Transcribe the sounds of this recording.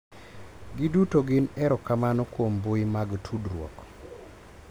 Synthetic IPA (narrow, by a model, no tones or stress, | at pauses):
ɡɪdutoɡɪnɛɾɔkamanɔkwomboimaɡtʰudɾwɔ̰k